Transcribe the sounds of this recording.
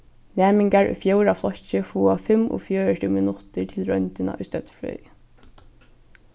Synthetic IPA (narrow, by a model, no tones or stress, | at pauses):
næːmɪŋkaɹʔʊ̰jfjowɾaflɔt͡ɕɪfuːafɪmʔʊ̰fjœːɹətʰɪːmɪnʊt̪ɪɹt̪ʰɪlɹœnt̪ɪna̰ʔʊjst̪œt̪flœ̰